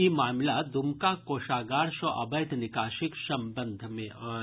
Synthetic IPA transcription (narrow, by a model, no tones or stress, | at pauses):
imaːmlad̪umkakoːʃaːɡaːɾʃɔʔɐ̰bɐjt̪nɪkaːʃɪksɐ̃mbənd̪ʱmẽɔ